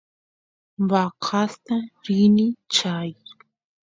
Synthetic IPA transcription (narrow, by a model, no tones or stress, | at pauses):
wɑqʰast̪aɾɪnɪt͡ʃaj